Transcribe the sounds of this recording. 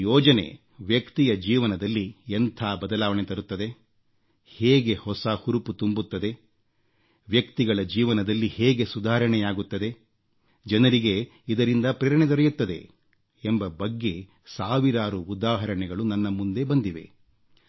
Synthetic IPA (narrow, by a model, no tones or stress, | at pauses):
jɔːd͡ʒɐne̞̰ | ʋjɐkt̪ijɐd͡ʒiːʋɐnɐd̪ɐlːient̪ʰaːbɐd̪ɐlaːʋɐɳet̪ɐɾut̪ːɐd̪e̞ | heːɡe̞hɔsɐhuɾuput̪umbut̪ːɐd̪e̞ | ʋjɐkt̪iɡɐɭɐd͡ʒiːʋɐnɐd̪ɐlːiheːɡe̞sud̪aːɾɐɳɛjaːɡut̪ːɐd̪e̞ | d͡ʒɐnɐɾiɡe̞ | id̪ɐɾind̪ɐpɾɛːɾɐɳet̪oɾɛjut̪ːɐd̪ḛ | embɐbɐɡːe̞ | saːʋiɾaːɾuːd̪aːɦɐɾɐɳɛɡɐɭunɐnːɐmund̪e̞bɐnd̪iʋe̞̰